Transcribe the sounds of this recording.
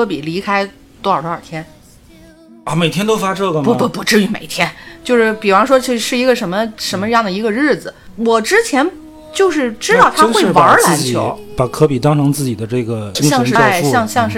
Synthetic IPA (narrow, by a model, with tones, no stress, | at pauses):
kʰɤ˧˥pi˨˩li˧˥kʰa˥ɪ | t̪wɔ˧˥ə˞˨˩t̪o˧˥ə̰˞˨˩t̪ʰjɛ˥n | ɐ˥˩me˨˩ɪjɛ˥nt̪o˥ʊfa˥ʈ͡ʂɤ˥˩ɡə˨˩mpu˧˩pu˧˥˩pu˧˥ʈ͡ʂɻ̩˥˧y˧˥me˨˩ɪt̪ʰjɛ˥nt͡ɕjo˥˧ʊʂɻ̩˥˩pi˨˩fɑ˥ŋʂwɔ˥˧ʂɻ̩˥˩i˧˥ɡə˧ʂə˧˥nmə˧ʂə˧˥nmə˧ʈ͡ʂə˥jɑ˥˩ŋd̪ə˩i˧˥ɡə˧ɻɻ̩˥˩d͡zɹ̩˩ | wɔ˨˩ʈ͡ʂɻ̩˥t͡ɕʰjɛ˧˥n | t͡ɕjo˥˧ʊʂ̬ɻ̩˥˩ʈ͡ʂɻ̩˥t̪ɑ˥˩ʊt̪ʰa˥we˥˩˥wɑ˧˥la˧˥˩t͡ɕt͡ɕʰpa˨˩kʰɤ˧˥pi˨˩t̪ɑ˥ŋʈ͡ʂʰɑ˧˥ŋt͡sɹ̩˥˩t͡ɕi˨˩d̪ə˦ʈ͡ʂɤ˥˩ɡə˩˧˥jɑ˥˧ŋʂɻ̩˥˧˩ɕjɑ˥˧ŋɕjɑ˥˧ŋʂɻ̩˥˩